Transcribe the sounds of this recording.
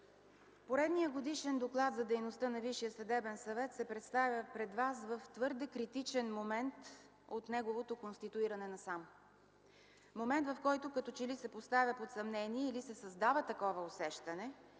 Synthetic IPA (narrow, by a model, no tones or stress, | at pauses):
poɾɛd̪nijəɡod̪iʃɛnd̪oklˠat̪zɐd̪ɛjnost̪ənɐviʃijəsɐd̪ɛbɛnsɐvɛt̪sɛpɾɛt̪st̪avʲəpɾɛd̪vasvəft̪vɤɾd̪ɛkɾit̪it͡ʃɛnmomɛnt̪ | ot̪nɛɡovot̪okonst̪it̪uiɾɐnɛnɐsam | momɛnt̪vɐfkɔjt̪okɐt̪ɔt͡ʃɛlisɛpost̪avʲəpot̪sɐmnɛniɛilisɛsɐzd̪avət̪ɐkɔvəosɛʃt̪ɐnɛ